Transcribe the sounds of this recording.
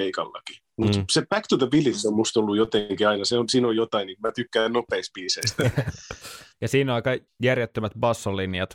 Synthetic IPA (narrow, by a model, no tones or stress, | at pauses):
eikɑ̰lːɑ̰ki̥ | mut̪sepækt̪ut̪ɑbilinsommust̪olːujot̪eŋkiɑinɑseonsiːnojot̪ɑinːiːŋkmæt̪ykːæːnnopeːks̚piːseist̪æ | jɑsiːnɑikɑ | jærjet̪ːømæt̪bɑsːolinjɑt̪